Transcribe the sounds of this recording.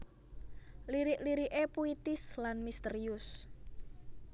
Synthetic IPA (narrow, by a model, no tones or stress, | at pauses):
liɾiʔliɾiʔepuit̪ɪslanmist̪əɾiʊs